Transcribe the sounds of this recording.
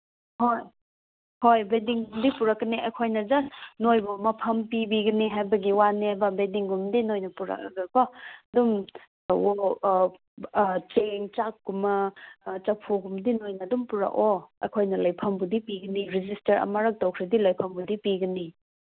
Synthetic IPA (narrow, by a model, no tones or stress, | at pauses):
hoj | hojbediŋɡumdipuɾɐkːɐniɐkʰojnɐd͡ʒɐsnojbumɐpʰɐmpibiɡɐniɦajbɐɡiwanihajbɐbediŋɡumdinojnɐpuɾɐ̰kɡabɐdum | o | t͡ʃeŋt͡ʃak̚ːɡumɐt͡ʃɐpʰuɡumdinojnɐdumpuɾɐ̰ʔoɐ̰jkʰojnɐlɐjpʰɐmbudipiɡɐniɾid͡ʒistɐɾɐ̰mɐɾɐk̚tɐwkʰɾedilɐjpʰɐmbudipiɡɐni